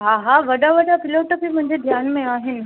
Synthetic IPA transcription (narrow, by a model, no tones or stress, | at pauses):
ɦaːɦaːʋɐɗaʋɐɖapɪloːʈəpimʊ̃ɦɪ̃ɲd͡ʑed̪ʱjaːnmẽaːɦɪnɪ̆